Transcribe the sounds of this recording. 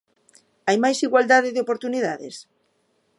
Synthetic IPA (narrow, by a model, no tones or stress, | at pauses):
ajmajsiɣwald̪aðɪðɪopoɾt̪uniðaðɪ̰s